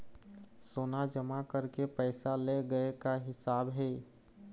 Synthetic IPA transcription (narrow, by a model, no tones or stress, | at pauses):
soːnad͡ʒəmakəɾkepəɪsaleɡəekaɦɪsaːbɦe